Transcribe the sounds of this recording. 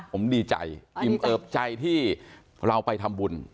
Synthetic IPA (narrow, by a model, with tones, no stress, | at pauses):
o˩˦mdiː˧t͡ɕa̰˧jʔi˨˩mʔɤː˧˩p̚t͡ɕa˧jt̪ʰiː˥˩ | ɾa˧wpa˧jt̪ʰa˧mbu˧n